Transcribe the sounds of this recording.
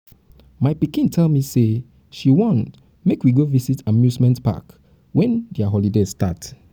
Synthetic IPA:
maɪpikĩntʰɛlmise | ʃiwɔ̃nt | mekwiɡovisitʰamjuzmɛ̃ntpa̰k | wɛ̃ndɛaɦɔlidestat

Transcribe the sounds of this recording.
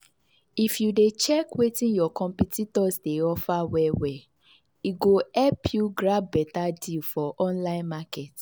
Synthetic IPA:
ifjudet͡ʃɛkwetĩnjɔkɔ̃mpititɔsdeɔfawɛwɛ | iɡoɛpʰjuɡɾab̚bɛtadilfɔʔɔ̃nlaɪ̃nmakɛt

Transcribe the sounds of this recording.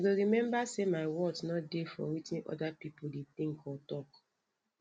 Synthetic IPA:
aɡoɹimɛ̃mbasemaɪwɔdnɔdefɔ̰̃witĩnʔɔ̰dapipoldet̪ĩŋkɔtɔk

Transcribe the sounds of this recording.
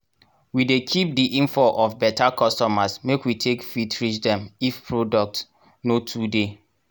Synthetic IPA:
widekʰip̚diʔĩnfɔʔɔfbɛtakʰɔstɔmasmekwitʰekfitɹit͡ʃdɛ̃mifpʰɹodɔk̚t | notʰude

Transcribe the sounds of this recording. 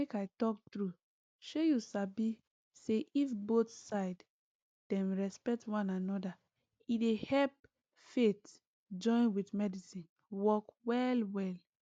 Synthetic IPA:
mekajtɔk̚tɹu | ʃojusabi | seʔifbotsaɪd | d̥ɛ̃nɹɛspɛk̚twãnanɔda | idehɛlp̚ | fet | d͡ʒɔ̃ɪ̃nwitmɛdisĩn | wɔkwɛlwɛl

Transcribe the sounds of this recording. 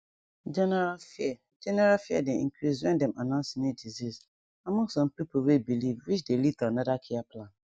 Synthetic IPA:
d͡ʒɛnɛɾafɪɛ | d͡ʒɛnɛɾafɪɛ̰dɪḭŋ̩kʰɾiswɛ̃ndɛ̃mʔanãsnɪ̃diziz | ãmʊ̃sãmpipʰowebilivwit͡ʃdelitʰanãdakʰɪapʰlãn

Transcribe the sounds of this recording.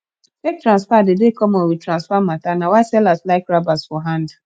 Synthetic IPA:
tek̚tɾãnsfadɪdekɔmowitɾãnsfam̩matanawasɛlaslaɪkɾabasfɔɦãnd

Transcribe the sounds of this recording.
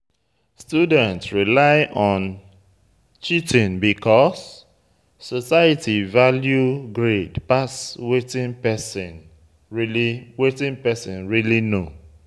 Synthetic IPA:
studɛ̃ntsɹilaɪʔɔ̃n | t͡ʃitĩnbikʰɔs | sɔsajətivaljuɡɹedpaswetĩnpɛsĩn | iliwetĩnpɛsĩnɹilino

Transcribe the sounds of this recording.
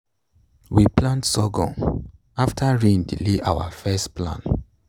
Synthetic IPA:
wiplãntsɔɡɔ̰̃n | aftʰaɹĩndḭleʔawa̰fɛstplã̰n

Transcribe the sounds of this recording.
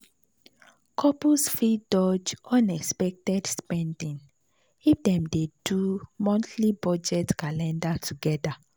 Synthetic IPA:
kʰɔpusfidɔd͡ʒɔ̃nɛkspɛk̚tɛdspɛ̃ndĩn | ifdɛ̃mdedumɔ̃ntʰlibɔd͡ʒɛtkalɛ̃ndatʰuɡɛda

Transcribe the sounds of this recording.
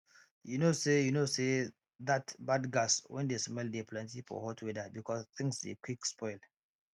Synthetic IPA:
junosejunose | ðatbadɡaswʔɛ̰̃ndesmɛldepʰlɛ̃ntifɔ̰hɔtʰwedabikʰɔst̪ɪ̃ŋsdḛkʰwikspʰɔɪl

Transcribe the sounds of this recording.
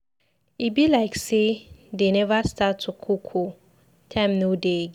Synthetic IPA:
ibilaɪksedenɛvastatʰʊkʰukʰu | tʰãmnodeɡ

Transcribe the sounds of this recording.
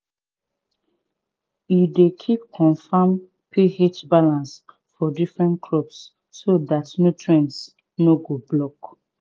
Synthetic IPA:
jidekʰipkʰɔ̃nfam | pʰihet͡ʃbalãns | fɔdifɹɛ̃ntkʰɹɔpsː | oðatnutʰɹɛ̃ns | noɡoblɔk

